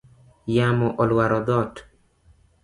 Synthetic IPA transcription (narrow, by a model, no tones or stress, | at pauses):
jamɔʔɔlwaɾɔd̪ɔt